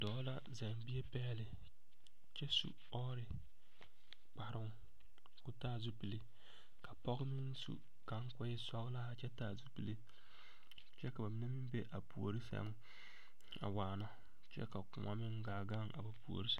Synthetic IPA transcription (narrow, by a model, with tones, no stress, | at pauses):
dɔː˨˦la˦za˨ŋbi˦e˦pɛː˦lɪ˨ | t͡ʃɛ˦sṵ˨ | ɔː˦ɾɪ˨ | k͡pa˨ɾʊ˦ŋ | kʊ˦taː˦˨zu˦pi˨li˦ | ka˨pɔ˦ɡɪ˦mɪ˦nsṵ˨ | ka˦ŋ˦kʊ˦jɪ˦sɔ˦ɣla˦a˨t͡ʃɛ˦taː˨zu˦pi˨le˦ | t͡ʃɛ˦ka˨ba˨mi˦ne˦mɪ˦m˦be˦ʔa˨pu˨o˨ɾi˦sa̰˦ŋ˦ | a̰˨waː˨nɔ˦ | t͡ʃɛ̰˦ka˨kʊ̰˨ma̰˦mɪ˦ŋɡaː˨ɡa˦ŋa̰˨ba˨pu˨o̰˨ɾi˦s